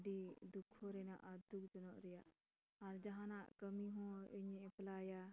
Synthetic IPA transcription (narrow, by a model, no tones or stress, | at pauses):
ɖid̪ukʰːɔɾɛna̰ʔad̪uk̚t͡ʃɔnɔʔɾɛjaʔ | aɾd͡ʒaɦãnaʔkəmiɦɔ̃iɲɛʔplaja